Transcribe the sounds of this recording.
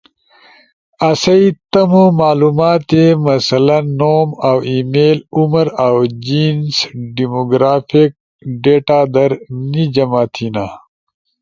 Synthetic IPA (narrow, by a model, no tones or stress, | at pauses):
ɐsɐit̪ɐmomaːlumaːt̪emɐsɐlɐnːomawimeːluməɾawd͡ʑinsɖimoɡɾaːfek̚ | ɖeːʈaːd̪ɐɾnid͡ʑɐmaːt̪ʰina